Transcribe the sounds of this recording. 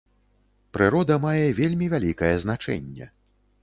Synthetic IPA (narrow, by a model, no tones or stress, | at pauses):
pɾɨɾɔd̪ɐmajɛvʲelʲmʲivʲalʲikɐjɛznat͡ʂɛ̰nʲːɛ̰